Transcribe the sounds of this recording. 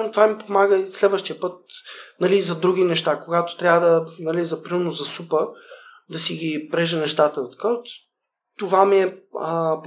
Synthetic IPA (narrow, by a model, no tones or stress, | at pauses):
t̪vamipomaɡəislɛd̪vəʃt̪ijəpət̪̚nɐliːzɐd̪ɾuɡ̟inɛʃt̪akoɡat̪o̥t̪ɾʲavəd̪ɐnɐlizɐpɾənozɐsupə | d̪ɐsiɡʲipɾɛʒənɛʃt̪at̪ət̪ɐ̥kaot̪ | t̪ovamiɛəp